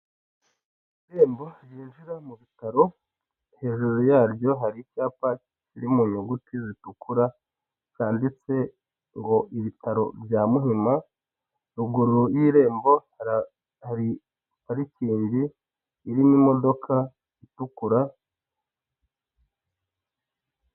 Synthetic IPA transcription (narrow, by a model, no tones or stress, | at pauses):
ɾe̞ːmbo̞ɾjiːnʒiɾamuβitaɾo̞ | he̞ːʒuɾojaːɾjoɦaɾicaːpa | iɾimuɲuɡutʰizitukuɾa | kaːndit͡se̞ | ŋɡo̞ʔiβitaɾo̞̰bjaːmuɦima | ɾuɡuɾujiɾe̞ːmbo̞ | hi | haɾiciːɲɟiː | ɾinimo̞do̞kʰa | itukuɾa